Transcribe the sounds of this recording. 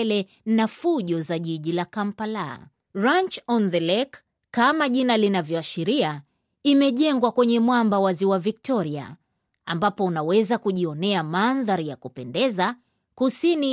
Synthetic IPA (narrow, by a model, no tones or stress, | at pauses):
lɛ | nafuʄɔzaʄiʄilakam̩pala̰ː | ɹant͡ʃɔnðɛlɛk | kːamaʄinalinavjɔaʃiɾia | imɛʄɛŋɡwakwɛɲɛmwambawaziwavik̚tɔɾia̰ | a̰mbapɔunawɛzakuʄiɔnɛamanðaɾijakupɛndɛza | kusini